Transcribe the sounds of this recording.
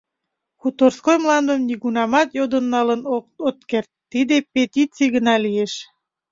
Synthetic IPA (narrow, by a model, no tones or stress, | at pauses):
kut̪orskojmlɑnd̪əmniɣunɑmɑt̪jod̪ənːɑlənoot̪kert̪ːid̪epet̪ʲit͡siɣənɑlieʃ